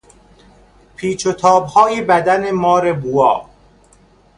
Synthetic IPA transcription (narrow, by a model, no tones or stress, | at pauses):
pʰiːt͡ʃʰot̪ʰɒːbhɒːjiːbæd̪ænemɒːɾe̞buɒː